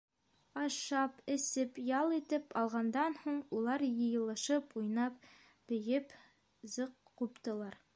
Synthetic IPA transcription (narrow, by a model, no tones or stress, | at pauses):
ɑʃɑpɘ̆sɘpjɑlˠit̪ɘpɑlˠʁɑnd̪ɑnhuɴulˠɑɾjɤ̆jɤ̆lˠɤ̆ʃɤpujnɑp̚ | b̥ɘ̆jɘp | zɤq | qupt̪ɤ̆lˠɑɾ